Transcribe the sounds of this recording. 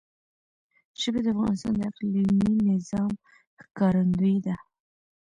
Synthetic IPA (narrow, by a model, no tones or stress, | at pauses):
ʃəbed̪əafɣɑ̰nɪst̪ɑ̰nd̪əaqlininɪzɑm | xkɑɾand̪əjd̪a